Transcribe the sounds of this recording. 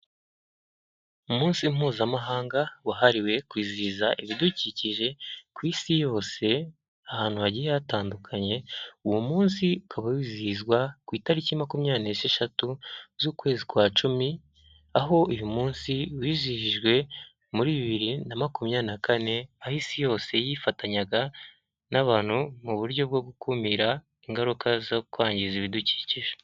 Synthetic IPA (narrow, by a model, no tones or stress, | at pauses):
umuːnsim̥uːzamaɦaːŋɡawaɦaɾiwe̞kwiːziːzaʔiβiduciːciʒe̞kwiːsijo̞ːse̞ | ahaːn̥huβaɟijejataːndukʰaɲe̞uwumuːnsiukʰaβawiːziːzɡwakwiːtaɾicimakumɲaːneseʃatuzuːkwe̞ːzikwaːt͡ʃumi | aɦo̞ujumuːnsiwiːzihiʒɡwe̞ | muɾiːβiβiɾinamakumɲaːnakane̞ahisijo̞ːse̞jifataɲaɡa | naβaːn̥humuβuɾɟo̞b̚ɡo̞ɡukʰumiɾa | iŋɡaɾukʰazokuaːɲɟiziβiduci̥ːciʒe